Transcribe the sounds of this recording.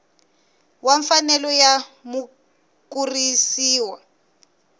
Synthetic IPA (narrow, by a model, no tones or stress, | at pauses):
waɱfanɛlɔjamu | kurisiːwa